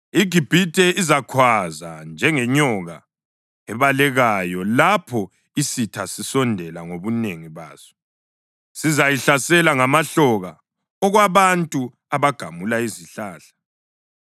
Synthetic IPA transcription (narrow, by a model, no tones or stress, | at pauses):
iɡ̥ʱib̥ʱitʼɛizakʰwazand͡ʒʱɛŋɛɲɔɣa | ɛβalɛɣajɔlapʰɔ | isitʰasisɔndʱɛlaŋoβuneŋiβa̰ːzɔ̥ | sizajiɬasɛlaŋamaɬɔɣa | ɔɣwaβantʼu | aβaɡ̥ʱamulaiziɬaːɬḁ